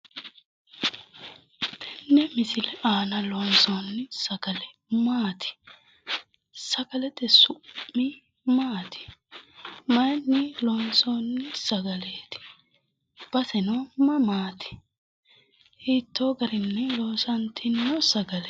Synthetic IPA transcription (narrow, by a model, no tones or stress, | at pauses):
t̪ʰɛnːɛmɪsɪlɛʔaːnɐlonsoːnːɪsɐɡɐlɛ | maːt̪ʰɪ̥ | sɐɡɐlɛt̪ɛsʊːɪ | maːt̪ɪ̥ | mɐjnːɪlonsoːnːɪsɐɡɐleːt̪ɪ̥ | b̥ɐsɛnomɐmaːt̪ʰɪ̥ | hiːt̪ːoːɡɐɾɪnːɛloːsɐnt̪ʰɪnːɔsɐɡɐlɛ